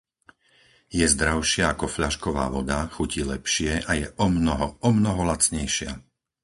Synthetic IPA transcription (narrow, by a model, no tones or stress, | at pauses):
jɛzd̪ɾaʊʃɪaakɔfʎaʃkɔʋa̰ːʋɔd̪axucilɛpʃɪɛʔajɛʔɔmnɔɦɔɔmnɔɦɔlat͡sɲɛjʃɪa̰